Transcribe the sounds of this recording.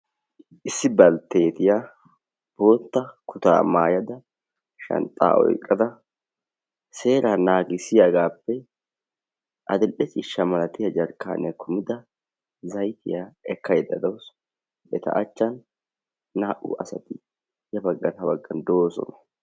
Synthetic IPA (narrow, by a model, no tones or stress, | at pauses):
ʔɪsːɪbɐlt̪e̞ːt̪ɪja | b̥o̞ːt̪ːɐkʰʊt̪a̰ːmaːjɐd̪ɐ | ʃɐ̰nt̪ʼːa̰ːʔɔ̰jkʼːɐd̪ɐ | se̞ːɾaːnaːɡɪsɪjaɡaːpːɛ | ʔɐ̰d̪ɛlʔɛt͡ʃʼɪʃːɐmɐlɐt̪ɪjɐd͡ʒɐɾkːa̰ːnɛkʰʊmɪd̪ɐ | zɐjt̪ɪ̰jaɛkːɐjɛd̪ɐd̪ɐws | bɛt̪ɐ̰ʔɐt͡ʃːɐnː | aːʔṵʔɐsɐt̪ɪ | jɐbɐɡːɐt̪ɐbɐɡːɐnd̪o̞ːsɔ̰nɐ̥